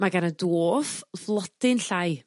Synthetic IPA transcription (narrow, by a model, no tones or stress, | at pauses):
maɡanədoːfvlˠɔdɪnɬaj